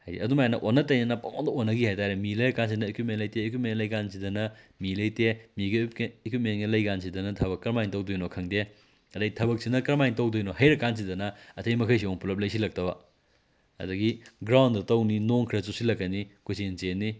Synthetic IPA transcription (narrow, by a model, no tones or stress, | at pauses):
hɐjdḭɐdumajanɐʔonːɐtɐjnɐnɐpɐŋondɐonːɐɡihajtaɾemilɐjɾɐkans̬inɐekwip̚menlɐjteːkwip̚menlɐjɡans̬idɐnɐmilɐjtemiɡɐekwip̚menɡɐlɐjɡans̬ʰidɐnɐtʰɐbɐkːɐɾmajntɐwdojnokʰɐŋde | ɐdɐɡitʰɐbɐk̚sinɐkɐɾmajntɐwdojnohɐjɾɐkans̬idɐnɐɐtʰɐjmɐkʰɐjs̬ioŋpulɐp̚lɐjs̬ilɐk̚tɐbɐ | ɐ̰dɐɡiɡɾawndɐtɐwninoŋkʰɾɐsusilɐkːɐnikʰujsent͡ʃenːi